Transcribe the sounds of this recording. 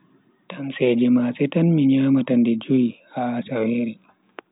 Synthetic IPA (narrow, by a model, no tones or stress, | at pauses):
tansɛd͡ʒɛmasɛtanmiɲaːmatandɛd͡ʒuihaasaweːɾi